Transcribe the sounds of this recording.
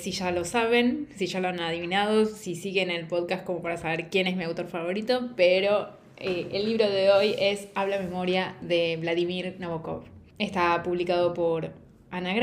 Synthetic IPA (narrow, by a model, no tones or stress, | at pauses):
siʃalo̞saβe̞nsiʒaloanaðiβinaðo̞sisiɣene̞lpo̞ðkast̪̚ko̞mo̞paɾasaβeɾkje̞nesmiawt̪o̞ɾfaβo̞ɾit̪o̞peɾo̞ | eelːiβɾo̞ðe̞o̞je̞saβlame̞mo̞ɾjaðe̞βlaðimiɾnoβoko̰f | e̞st̪apuβlikaðo̞po̞ɾ | anaɣɾ